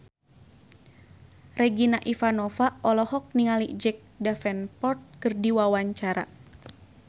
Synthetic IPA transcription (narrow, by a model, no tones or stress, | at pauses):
rɛɡinaʔifanɔfaɔlɔhɔk̚niŋaliʔd͡ʒɛk̚dafɛnpɔrt̪̚kɨrdiwawaɲt͡ʃaɾa̰